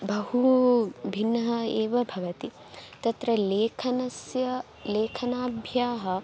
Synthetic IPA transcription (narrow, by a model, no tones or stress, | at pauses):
bɐɦubʱinːɐɦɐeːʋɐbʱɐʋɐt̪i | t̪ɐt̪ɾɐleːkʰɐnɐsjɐ | leːkʰɐnaːbʱjaːɦɐ̆